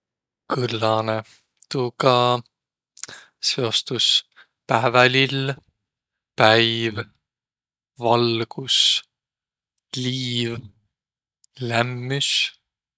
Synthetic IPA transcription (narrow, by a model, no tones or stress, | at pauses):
kɯlːɑne | t̪ukɑ | se̞o̞st̪us | pæːvælil | pæjv | vɑlɡ̥us | liːv | læmːys